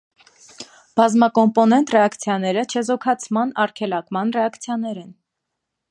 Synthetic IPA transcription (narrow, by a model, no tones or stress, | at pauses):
b̥ɑzmɑkɔmpɔnɛnt̪rɛɑkʰt͡sʰjɑnɛɾət͡ʃʰɛzɔkʰɑt͡sʰmɑnɑrkʰɛlɑkmɑnrɛɑkt͡sʰjɑnɛɾɛn